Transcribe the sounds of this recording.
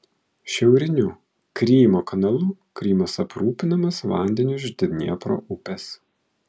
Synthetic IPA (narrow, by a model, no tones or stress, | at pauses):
ʃʲɛʊɾʲɪnʲʊ | kɾʲiːmoːkɐnɐlˠʊkɾʲiːmɐsɐpɾuːpʲɪnɐmɐsʋɑ̰ˑnʲd̪ʲɛnʲʊʒʲd̪ʲɪʋʲnʲḭːpɾo̰ːʔʊpʲɛs